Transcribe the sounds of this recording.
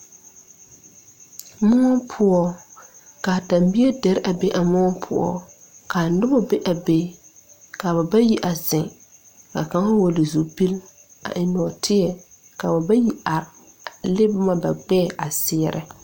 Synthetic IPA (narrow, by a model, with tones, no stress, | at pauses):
mʊ˦ɔ˦pʰʊ˦ɔ˦ | ka˨ta˨mbi˦e˦dɛ˨ɾʔa˨be˦ʔa˨mɔ˦ɔ˦pʰʊ̰˦ɔ̰˦ | ka˨˦dʊ˦bɔ˦be˦ʔa˨be˦ | ka˨ba˨ba˦ji˦ʔa˨zɪ˨ŋ | ka̰˨ka˨˦ŋa˦wo˨li˨zu˨pi˦l | a̰˨ʔɪ˦nɔ˨tʰɪ˦jɛ˨ | ka˨ba˨ba˦ji˦a˨ɾ | lɪ˦bʊ˦ma˦ba˨ɡ͡bɛː˦˨ʔa˨sɪ˦ɛ˦ɾʔɪ̰˦